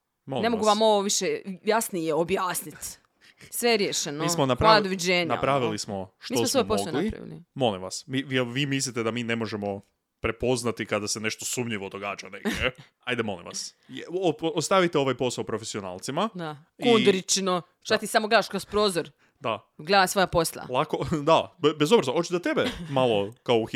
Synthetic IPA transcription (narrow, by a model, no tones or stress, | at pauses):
molinemoɡuʋamo̞ʋoʋiʃejasnijeobjaːsnit̪ | sʋeɾjeʃenomismonapɾanad̪oʋid͡ʑeːɲna̰pɾaʋilismo̞ʃtiːsmosojmposlnɡlaiɾa̰ʋḭlḭmo̞limʋasmiʋimislit̪ed̪amiːne̞mo̞ʒemo̞ | pɾe̞po̞znat̪ikad̪asene̞ʃt̪osumʎiʋod̪oɡaːd͡ʒaneɡe | ajd̪emo̞lḭmʋa̰sjoost̪aʋit̪eo̞ʋajpo̞saopɾofesiona̰ːlˠt̪simad̪a | kuid̪ɾit͡ʃno | ʃtat̪isamoɡaːʃkɾospɾoːzoɾ | d̪aɡled̪asojaposlˠa̰lˠakod̪abezobɾazaot͡ʃizat̪e̞bemalˠo̞kao